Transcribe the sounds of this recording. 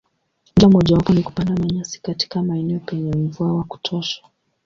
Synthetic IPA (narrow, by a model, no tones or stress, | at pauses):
ndiɔm̩ɔʄawakɔniku̥pandamaɲasi̥kati̥kamaɛnɛɔpɛɲɛm̩vuawaku̥tʰɔʃḁ